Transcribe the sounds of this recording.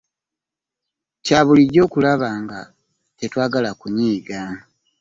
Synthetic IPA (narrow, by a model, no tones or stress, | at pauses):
caːβuliɟo̞ːkulaβaːŋɡa | tetwaːɡalakuɲiːɡa